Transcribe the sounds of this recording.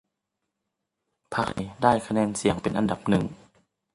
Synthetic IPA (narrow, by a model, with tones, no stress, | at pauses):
pʰa˦˥k̚ʔe˨˩daː˥˩jkʰa˧nɛː˧˩˨nsi˨˩˦əŋpe˨nʔa̰˨nda˨˩p̚nɯ˨˩ŋ